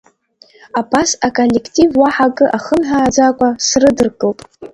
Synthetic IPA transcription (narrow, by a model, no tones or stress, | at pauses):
apʰasakʼolːekʰtʼivwaħakʼɨʔaχənħaːd͡zakʷʼasrɨdɨrɡʼɨlpʼ